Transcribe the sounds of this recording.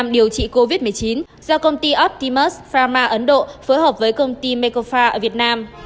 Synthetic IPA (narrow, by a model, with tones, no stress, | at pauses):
mɗi˨˩əwt͡ɕḭ˧˨ko˧vi˦˥t̚mɨ˨˩əjt͡ɕi˨˦n | zɔ˧kə˧wŋ͡mt̪i˧ʔɔ˦˥p̚t̪i˧mə˦˥sfaː˧maː˧ʔə˨˦nɗo̰˧˨foː˨˦jhəː˨˩p̚vəː˨˦jkə˧wŋ͡mt̪i˧me˧ko˧faː˧ʔəː˧˩vi˨˩ət̚naː˧m